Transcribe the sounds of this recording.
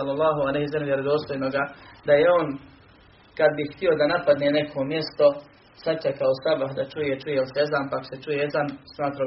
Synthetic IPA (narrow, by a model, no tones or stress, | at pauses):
lːolˠːɑːɦualejhisalmjeɾod̪o̞ːst̪ojnoɡad̪ajeoːn | kad̪biht̪io̞d̪anapad̪neːne̞kʰo̞mje̞st̪o̞ | sat͡ʃakaosabaɦd̪at͡ʃujet͡ʃujelsezampako̥se̞t͡ʃujeezansmaːt̪ɾa